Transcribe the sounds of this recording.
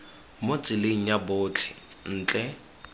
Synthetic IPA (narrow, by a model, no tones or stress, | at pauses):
mot͡sʼɪleŋ̩jaboːt͡ɬʰɛ̥n̩ːt͡ɬʼɛ